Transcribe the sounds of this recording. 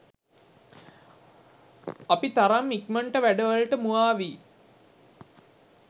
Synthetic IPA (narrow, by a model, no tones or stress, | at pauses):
apit̪aɾamːikməɳʈəʋæɖəʋaɭʈəmuaːʋi